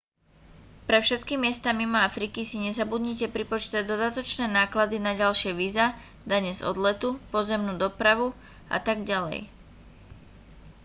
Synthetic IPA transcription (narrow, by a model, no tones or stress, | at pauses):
pɾɛfʃɛt̪kimɪɛst̪amimɔafɾikisiɲɛzabud̪ɲicɛpɾipɔt͡ʃt̪ɛd̪ɔd̪at̪ɔt͡ʃnɛːnaːklad̪inaɟalʃɪɛʋiːza | d̪aɲɛzɔ̰d̪lɛt̪upɔzɛmnuːd̪ɔpɾaʋu | a̰t̪aɡɟalɛ̰j